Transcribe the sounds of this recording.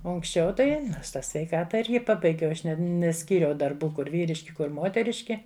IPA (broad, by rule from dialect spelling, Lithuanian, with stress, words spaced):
ˈoː ʊŋksʲˈt͡ʃʲɛʊ ˈtɐɪ ˈnoːrs ˈtɑː sʲʋʲɛɪˈkɑːtɐ ˈɪrʲɡʲɪ ˈpɑːbɐɪɡʲɛʊ ˈɐʃ nʲɛˈsʲkʲiːrʲɛʊ dɐrˈbuː ˈkʊr ˈʋʲiːrʲɪʃʲkʲɪ ˈkʊr ˈmoːtʲɛrʲɪʃʲkʲɪ